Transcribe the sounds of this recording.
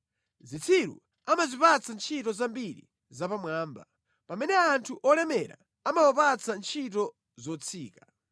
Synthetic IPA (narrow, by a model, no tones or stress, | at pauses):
zit͡sʰiɾṵ | amazipat͡sʰant͡ʃʰitɔzambiɾḭ | zapamwaːmba | pamɛnɛantʰuʔɔlɛmɛɾa̰ | amawɔpat͡sʰant͡ʃʰit̬ɔ | zɔt͡sʰiːka